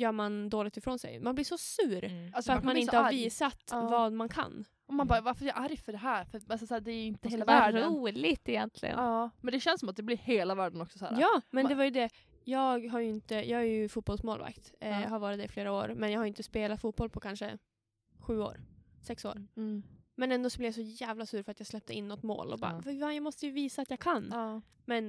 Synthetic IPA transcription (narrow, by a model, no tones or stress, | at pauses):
jœːɾmand̪oːlɪk̚t̪ɪfɾoːnsɛ̰jmanblɪʂɔsʉ̟ːɾasœɾamanɪnəhaviːsat̪vɑːd̪mankʰa̰n | ɔmanbɑːvaɾfəɾɛjʔaɾjfœɖɛɦæːɾfœɾalsɔsːd̪ɛɾɪnt̪əheːlaɾuːlɪt̪ɪjɛnt̪ʰlɪ̰ɡə̰nmɛnd̪ɛɕɛnsːɔmat̪̚d̪ɛblɪɾheːlavæːɖənɔksɔsæ̰ːɾjɑːmɛnd̪ɛvaɾjɵd̪ɛ | jɑːɡɦaɾjɵɪnt̪əjʔɑːɡæɾjɵfuːt̪̚bɔlsmoːlva̰kt̪ɦaɾvɑːɾɪt̪ːɪfleːɾao̰ːɾmɛnjɑaɡhaɾjʏɪnt̪əspeːlat̪fuːt̪̚bɔlpʰɔkʰanʂə̰ | ɧʉ̟ːo̰ːɾsɛkso̰ːɾ | mɛnɛnd̪oːsɔblɛvjasɔjæːvlasʉːɾfœɾat̪jɑːɡslɛp̚t̪əɪnːɔt̪ːmo̰ːlɔ̰bɑ̰ːvavajɑmɔst̪əjɵviːsaːt̪jɑːɡkʰanː | mɛn